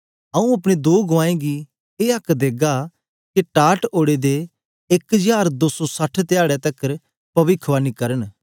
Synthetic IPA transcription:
ɐũɐpɽ̃ed̪oːɡʊãːẽɡi | eːɐkd̪eːɡa | kiʈaːʈoːɽed̪eː | kd͡ʒaːɾd̪oːsɔsɐʈʰt̪ɪjaːɽɛt̪ɐkəɾ | pɐʋɪkʰʋaːnikɐɾəñ

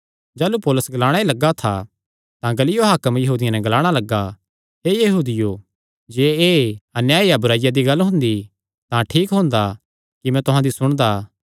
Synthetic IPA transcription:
d͡ʒaːlupoːlʊsɡɐlaːɽ̃ailɐɡat̪ʰa̰ | t̪ãɡɐlɪjoɦaːkəmjɐɦuːd̪ɪjãnɛ̃ɡɐlaːɽ̃alɐɡa | ɦeːjɐɦuːd̪ɪjo | d͡ʒeːeːɐnjaːijabʊɾaːɪjad̪iɡɐlːɦʊ̃nd̪i | t̪ãʈʰiːkɦʊ̃nd̪a | kimɛ̃t̪ʊɦãd̪isʊɽ̃d̪aː

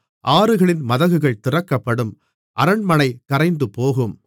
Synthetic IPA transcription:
ʔaːɾɯɣɐɭɪnmɐðɐɣɯɣɐɭt̪ɪrɐkːɐpːɐɽɯm | ʔɐɾɐɳmɐnɐɪkɐɾɐɪnd̪ɯpoːɣɯm

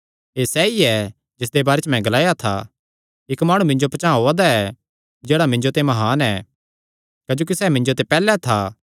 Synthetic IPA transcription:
eːsɛːiɛ | d͡ʒɪs̬d̪ebaːɾet͡ʃmɛ̃ɡɐlaːjat̪ʰa̰ | ɪkmaːɽ̃ũmɪ̃ɲd͡ʒopɐt͡ʃãːɦoːad̪aɛ | d͡ʒeːɽamɪ̃ɲd͡ʒot̪ẽmɐɦaːnɛ | kɐd͡ʒoːk̬isɛːmɪ̃ɲd͡ʒot̪̬epɛːlɛt̪ʰa

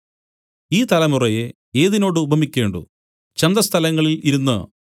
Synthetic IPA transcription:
iːt̪ɐlɐmurɐje | eːðino̞ːɽɨubʱɐmikʲːe̞ːɳɖṵ | t͡ɕend̪ɐst̪ʰɐlɐŋːɐɭiliɾunːɨ̰

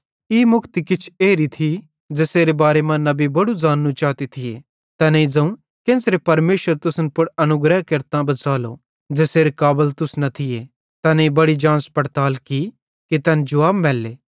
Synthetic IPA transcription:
imʊkt̪ikɪt͡ʃʰeːɾit̪ʰi | d͡ʒeːseːɾebaːɾemɐ̃nːɐbibɐɽud͡zaːnːũt͡ʃaːt̪it̪ʰɪje | t̪ɐneid͡zɐ̃ũ | kẽːnsɾepɐɾmeːʃəɾt̪ʊsənpʊɽɐnʊɡɾəɦkɐɾt̪ãbɐt͡saːlo | d͡ʒeːseːɾekaːbəlt̪ʊsnɐt̪ʰɪje | t̪ɐnẽibɐɽid͡ʒãːnspɐɽt̪aːlki | kit̪ɐnd͡ʒʊʋaːbmɛːlːeː

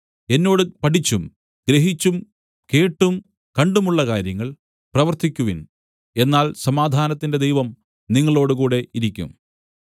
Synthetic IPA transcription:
e̞nːo̞ːɽɨpɐʈit͡ɕːum | ɡ̥ɾeɦit͡ɕːum | ke̞ːʈːum | kɐɳɖumuɭːɐkaːɾjɐŋːɐɭ | prɐʋɐrt̪ikʲːuʋin | e̞nːaːlsɐmaːd̪ʱaːnɐt̪ːinde̞d̪ejʋɐm | niŋːɐɭo̞ːɽukuːɽe̞iɾikʲːṵm

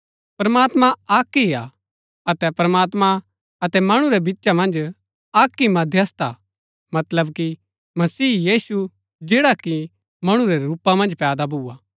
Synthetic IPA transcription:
pɐɾmaːt̪mãaːkːia | ɐt̪ɛpɐɾɐmaːt̪mã | ɐt̪ɛmɐɽ̃uɾɛbitːʃamɐ̃nd͡ʒ | aːkːimɐ̃d̪ʱjɐst̪a | mɐt̪ləbki | mɐsiːjiːsu | d͡ʒeːɽaki | mɐɽ̃ũɾɛɾuːpamɐ̃nd͡ʒpɛːd̪abʱuːaː

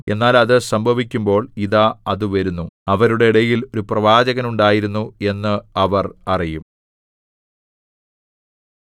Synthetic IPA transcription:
e̞nːaːlɐðɨsɐmbʱɐʋikʲːumbo̞ːɭiðaːɐðɨʋɐɾunːuɐʋɐɾuɽe̞iɽɐjilo̞ɾuprɐʋaːd͡ʑɐɣɐnuɳɖaːjiɾunːue̞nːɨɐʋɐrɐrijum

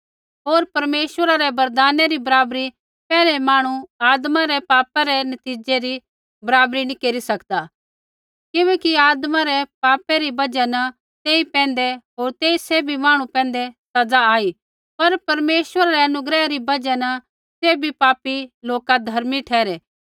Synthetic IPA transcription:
ɦoːɾpɐɾmeːswəɾaɾɛbɐɾd̪aːneɾibɐɾaːbɾi | pɛːlɛmaːɽ̃uaːd̪mãɾɛpaːpaɾɛnɐt̪iːd͡ʒeɾi | bɐɾaːbɾinĩkeːɾisɐkd̪a | kɪʋɛ̃ːkiaːd̪mãɾɛpaːpɛɾibɐd͡ʒɛnɐ | t̪eːipɛ̃ːnd̪ɛɦoːɾt̪eːiseːbʱimaːɽ̃ũpɛ̃ːn̆d̪esɐd͡zaaːi | pɐɾpɐɾmeːsʋəɾaɾɛɐnʊɡɾɛːɾibɐd͡ʒɛnɐ | seːbʱipaːpiloːkad̪ʱɐɾmiʈʰɛːɾɛː

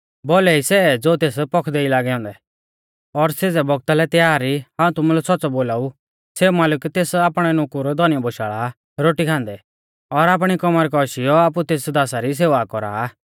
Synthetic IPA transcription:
bolɛisɛd͡zoːt̪eːspɔkʰd̪eːilaːɡɛɔ̃ːnd̪ɛ | ɔɾseːd͡zɛbɔɡ̚t̪alɛt̪jaːɾihãːũt̪ʊmulɛsɔtːt͡sɔboːlaːu | seːumaːləkt̪eːsaːpɽ̃ɛnʊkuɾɔd̪ʱɔnɪjɔbɔʃaːɭa | ɾoːʈikʰãːnd̪ɛ | ɔɾaːp̬ɽ̃ikɔmaɾɛkɔʃijɔaːp̬ut̪eːsd̪aːsaɾis̬eːʋakɔɾa̰

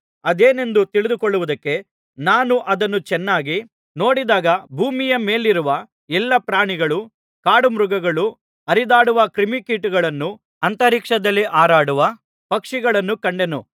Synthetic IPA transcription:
ɐd̪eːne̞nd̪ut̪iɭid̪ukɔɭːuʋud̪ɐkːe̞ | naːnuʔɐd̪ɐnːut͡ʃɛnːaːɡi | no̞ːɽid̪aːɡɐbʱuːmijɐme̞ːliɾuʋɐ | ɛlːɐpɾaːɳiɡɐɭu | kaːɽumɾuɡɐɡɐɭu | ɐɾid̪aːɽuʋɐkɾimikiːʈuɡɐɭɐnːu | ɐnt̪ɐɾiːkʂɐd̪ɐlːiʔaːɾaːɽuʋɐ | pɐkʂiɡɐɭɐnːukɐɳɖe̞nṵ

